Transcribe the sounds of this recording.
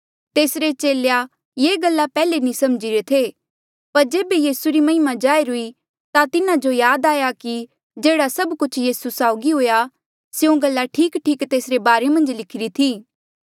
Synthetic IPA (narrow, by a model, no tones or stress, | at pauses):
t̪eːsɾet͡ʃeːleja | jeːɡɐlːapɛːlenĩsɐmd͡ʒiɾet̪ʰeː | pɐɾd͡ʒeːbejiːsuɾimɐɦɪmad͡ʒaːeɾʊi | t̪at̪ɪnãd͡ʒojaːd̪aːjaki | d͡ʒeːɽasɐbkʊt͡ʃʰjiːsusaːʊɡiɦoːja | sjõɡɐlːaʈʰiːkʈʰiːkt̪eːsɾebaːɾemɐ̃nd͡ʒlɪkʰɪɾit̪ʰiː